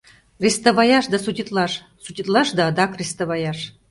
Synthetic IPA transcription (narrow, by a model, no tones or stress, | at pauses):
rʲist̪oβɑjɑʃd̪ɑsut̪ʲit̪lɑʃ | sut̪ʲit̪lˠɑʃd̪ɑd̪ɑkrʲist̪oβɑjɑʃ